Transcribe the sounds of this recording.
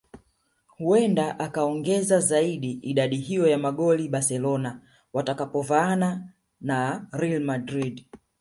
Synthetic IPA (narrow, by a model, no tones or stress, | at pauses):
huɛndaʔakaɔŋɡɛzazaiɗiiɗaɗiɦijɔjamaɠɔliɓasɛlɔna | watakapɔvaːna | naɾɛlmadɾid